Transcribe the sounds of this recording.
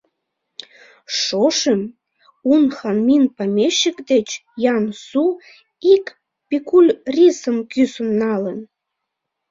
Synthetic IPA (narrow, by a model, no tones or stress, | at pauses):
ʃoʃəm | unxɑnminpɑmʲeɕːəkd̪et͡ɕjɑnsu | ik | pʲikulʲrʲisəmkysənːɑlən